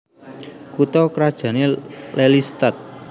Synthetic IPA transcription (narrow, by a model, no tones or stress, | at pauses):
kut̪ɔkɾad̥ʒ̥ä̤nelɛlist̪at̪̚